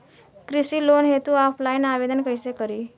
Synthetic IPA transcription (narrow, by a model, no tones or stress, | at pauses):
kɾisiːlonɦet̪ũapʰlajnaʋed̪ənkəjsekəɾi